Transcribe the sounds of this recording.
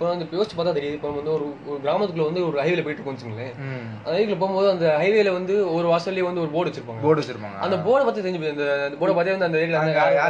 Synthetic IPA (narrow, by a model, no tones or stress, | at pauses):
pːɐːnɐnd̪pːjoːsɪt͡ʃːipaːɾt̪aːt̪ɛɾɪjaːɯɪpːɐːnɐ̃mɐnd̪ɯɔɾɯɔɾɯɡɪɾaːmɐt̪ːɯkːɭɐʋɐnd̪ɯɔɾɯɐɪʋɪlɐp̬oːjɪʈːɯkːoːɳd̪t͡ʃːɯŋɡɐlːeː | ɐnɐɪɯk̬ːɯlɐp̬oːmboːðɯɐnd̪ɐɦɐɪʋɛjlɐʋɐnd̪ɯɔɾɯʋaːsɐlːjeʋɐnd̪ɯɔɾɯboːɽɐʋɐt͡ʃːɯɾɯpːaːŋɡɐboːɽɛt͡ʃːɪɾɯpːa̰ːŋɡɐɐ̰nd̪ɐboːɽɐpaːt̪isɛɲd͡ʒɯpːɐnd̪ɐnd̪ɐpoːɽɐpːaːt̪ːeːɐnd̪ɯɐnd̪ɐɾkːlaaa